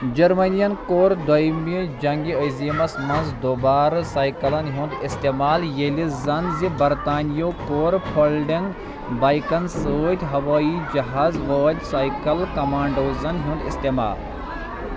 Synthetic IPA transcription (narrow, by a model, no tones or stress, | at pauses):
d͡ʒɐɾmɐnijɐnkoːɾd̪ɐjmid͡ʒɐŋɡiɐjzimɐsmɐnzd̪oːbaːɾɐsaːjkɐlɐnɦũnd̪ist̪eːmaːljelizɐnzibɐɾt̪aːnijoːkoːɾpʰolɖiŋɡ | baːjkɐnsoːt̪ʲɦɐʋaːid͡ʒɐɦaːzʋɐːt̪ʲsaːjkɐlkɐmaːɳɖoːzɐnɦũnd̪ist̪eːma̰ːl